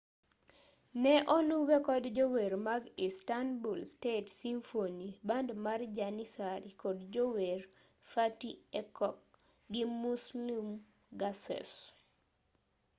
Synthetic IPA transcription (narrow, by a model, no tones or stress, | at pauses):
nɛʔɔluwɛkɔdd͡ʒoweɾmaɡistanbulstetsiɱfonibandmard͡ʒanisaɾikɔdd͡ʒower | fatiɛkɔk̚ | ɡɪmuslim | ɡasɛ̰s